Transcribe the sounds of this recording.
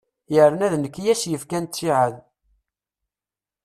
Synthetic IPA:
jəɾnæðnəkːjæsjəfkænt̪ːiʕəð

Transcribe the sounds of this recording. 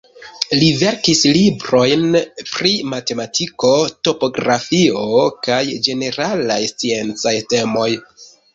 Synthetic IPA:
live̞ɾkislibɾo̞jnpɾimate̞matʰiko̞to̞po̞ɡɾafio̞kajd͡ʒe̞ne̞ɾalajst͡sie̞nt͡sajte̞mo̞j

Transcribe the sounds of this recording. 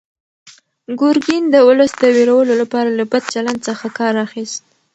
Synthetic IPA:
ɡʊɾɡind̪əʊləsd̪əweɾawəlolapɑɾalabad̪̚t͡ʃaland̪səxakɑɾɑxist̪̚

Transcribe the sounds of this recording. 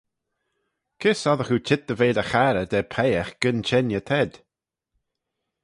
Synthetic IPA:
kʰɪsɔðəxut͡ʃʰɪt̪̚d̪əveːdəxaɾəd̪ɛpʰɛjəxɡ̥ənt͡ʃʰɛnjət̪ʰɛd̪̥

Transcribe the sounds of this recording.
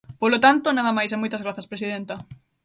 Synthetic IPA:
polot̪ant̪onaðɐmajs̬amojt̪ɐzɣɾaθɐspɾesiðent̪ɐ

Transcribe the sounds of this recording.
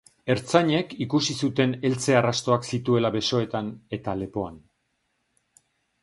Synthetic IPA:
e̞ɾt͡saɲe̞kikusisut̪e̞ne̞lt͡se̞arast̪o̞aksit̪ue̞laβe̞so̞e̞t̪ane̞t̪ale̞po̞an

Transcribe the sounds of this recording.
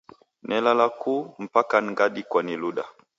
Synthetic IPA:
nɛlalakum̩pakaŋɡaɗikwaniluɗa

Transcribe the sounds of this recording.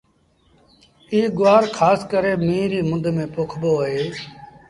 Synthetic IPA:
iːɡʊʋaːɾkʰaːskəɾeːmĩːɾiːmʊd̪ʱmẽːpoːkʰboːɦeː

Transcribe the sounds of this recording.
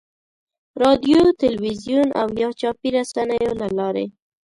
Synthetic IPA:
ɾɑd̪jot̪ɪlwizijuna̰wjɑt͡ʃɑpiɾasanəjolalɑɾḛ

